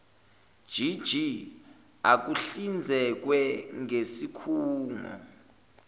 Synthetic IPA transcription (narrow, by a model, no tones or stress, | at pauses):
d̥ʒ̥ʱid̥ʒ̥ʱi | ak̬uɬind͡zʱɛk̬wɛŋesikʰuːŋa̰